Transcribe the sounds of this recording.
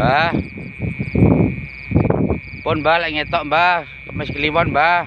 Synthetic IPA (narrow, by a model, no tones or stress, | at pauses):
a | pʊnmbalaʔŋet̪ɔʔmba | mɛskəlimɔnmba